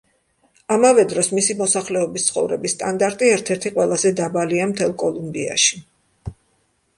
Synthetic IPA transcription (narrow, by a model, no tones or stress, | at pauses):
amavɛd̪ɾɔsmisimɔsaχlɛɔbist̪sʰχɔ̰vɾɛbisːt̪ʼand̪aɾt̪ʼiɛɾt̪ʰɛɾt̪ʰiqʼwɛlˠazɛd̪abaliamt̪ʰɛlˠkʼɔlˠumbia̰ʃi̥